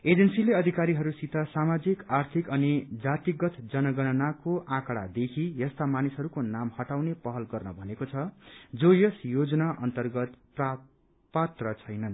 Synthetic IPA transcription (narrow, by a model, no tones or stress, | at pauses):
ed͡zensileʌd̪ʱikaɾiɦʌɾusit̪asamad͡zikart̪ʰikʌnid͡zat̪iɡʌt̪ʰd͡zʌnʌɡʌnʌnakoʔãkɽa̰d̪ekʰijʌst̪amanisɦʌɾukonamhʌʈawnepʌɦʌlɡʌrnʌbʱʌnekot͡sʰʌd͡zojʌsjod͡zʌnaʔʌnt̪ʌrɡʌt̪pra | pat̪rʌt͡sʰʌjnʌn